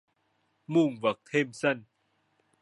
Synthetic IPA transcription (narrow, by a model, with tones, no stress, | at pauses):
mu˧˩˨ŋvə˨˩k̚t̪ʰeː˧˩msə˧˩n